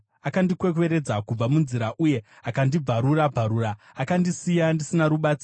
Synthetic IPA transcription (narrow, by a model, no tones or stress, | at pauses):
akandikwe̞k̬we̞ɾe̞d͡zakub͡vamunziɾaʔuje̞ | akandib͡vaɾuɾabʱaɾuːraːkandisijandisinaɾuɓat͡si